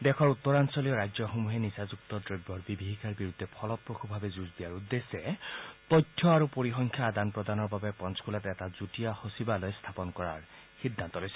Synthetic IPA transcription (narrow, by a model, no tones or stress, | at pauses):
d̪ekʰɔɹut̪ːɔɹansɔlijɔɾad͡ʒɔxomuɦenisazuk̚t̪ɔdɹeɡbɔɹbibʱiɦikaɹbiɾud̪ʱːepʰɔlɔp̚ɹokʰubʱabezuzd̪ijaɹud̪ːeset̪ɔd̪ʱʰjɔaɾupoɹixɔŋkʰjaːd̪anpɹɔd̪anɔɹbabepɔnskʰulat̪ɛtazutiahosibalɔjst̪ʰapɔnkɔɹa̰ɹ | xid̪ʱːant̪ɔlojsɛ̥